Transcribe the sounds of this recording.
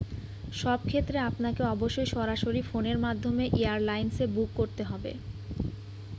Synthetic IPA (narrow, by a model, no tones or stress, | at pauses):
ʃɔb̚kʰet̪ːɾeapnakeɔboʃːojʃɔɾaʃoɾifoneɾmad̪ʱːomeʔeaɾlajnsebukːoɾt̪eɦɔbḛ